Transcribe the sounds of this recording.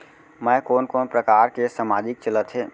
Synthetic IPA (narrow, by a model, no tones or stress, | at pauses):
mɛ̃ːkoːnkɔːnpɾəkaːɾkesəmaːd͡ʒɪk̚t͡ʃələt̪ɦeː